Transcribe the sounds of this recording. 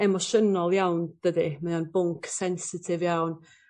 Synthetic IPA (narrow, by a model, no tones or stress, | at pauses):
ɛmɔʃənɔlˠjawnd̥ədɨmaðanbʊŋkʰsɛnsɪtʰɪvjawn